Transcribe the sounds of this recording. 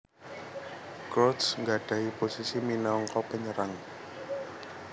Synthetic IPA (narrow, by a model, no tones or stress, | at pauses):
kɾɔt̪sŋɡaɖ̥a̤iposisiminɔŋkɔpəɲəɾaŋ